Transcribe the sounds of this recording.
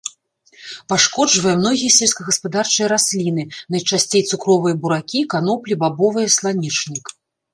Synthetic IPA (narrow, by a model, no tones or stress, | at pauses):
paʂkɔd͡ʐvɐjɐmnɔɣʲijɐsʲɛlʲsʲkɐɣɐspad̪art͡ʂɨjɐɾasʲlʲin̪ɨnɐjt͡ʂasʲt͡sʲejt̪sukɾɔvɨjɐbuɾakʲikan̪ɔplʲibabɔvɨjɐslˠanʲit͡ʂnʲik